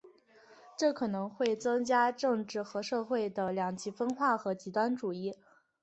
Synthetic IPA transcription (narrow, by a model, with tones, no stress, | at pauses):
ʈ͡ʂɤ˥˩kʰɤ˨˩nɤ˧˥ŋxwe˥˩ɪt͡sɤ˥ŋt͡ɕja˥ʈ͡ʂɤ˥˧ŋʈ͡ʂɻ̩˥˩xɤ˧˥ʂɤ˥˧xwe˥˩ɪd̪ə˩ljɑ˨˩ŋt͡ɕʰi˧˥fə˥nxwa˥˩xɤ˧˥t͡ɕi˧˥t̪wa˥nʈ͡ʂu˨˩i˥˩